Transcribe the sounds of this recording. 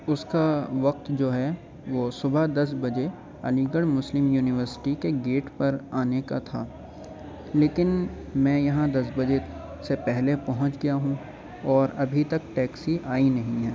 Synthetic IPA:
ʊskaʋɐq̚t̪d͡ʒoːɦɛ | ʋoːsʊbʱəd̪ɐs̬bɐd͡ʒe | ɐ̰lĩːɡəɽmʊslɪmjuːnɪʋəɾsɪ̥ʈikeɡeːʈpɐɾaːnekat̪ʰaː | leːkɪn | mɛ̃ːjɐɦãd̪ɐs̬bɐd͡ʒe | sepɛɦlepɐɦʊ̃t͡ʃɡɐjaɦũ | ɔːɾɐbʱit̪ɐkʈɛːksiʔaːinɐɦĩɦɛː

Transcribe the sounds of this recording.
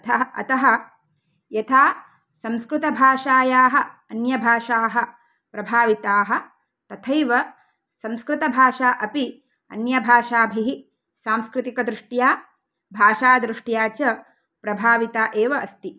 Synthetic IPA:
ɐ̰t̪ɐɦɐ̆ | jɐt̪ʰaː | sɐ̃mskɾɪt̪ɐbʱaːʃaːjaːɦɐ̆ɐnjɐbʱaːʃaːɦɐ | pɾɐbʱaːʋit̪aːɦɐ̆ | t̪ɐt̪ʰɐjʋɐ | sɐ̃mskɾɪt̪ɐbʱaːʃaːʔɐpi | ɐ̰njɐbʱaːʃaːbʱiɦi | saːmskɾɪt̪ikɐd̪ɾɪʂʈjaː | bʱaːʃaːd̪ɾɪʂʈjaːt͡ʃɐ | pɾɐbʱaːʋit̪aːʔeːʋɐʔɐst̪i

